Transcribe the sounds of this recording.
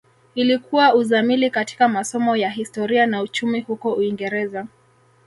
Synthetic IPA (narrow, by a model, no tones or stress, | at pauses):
ilikuwauzamilikati̥kamasɔmɔjaɦistɔɾianaut͡ʃumihukɔuiŋɡɛɾɛza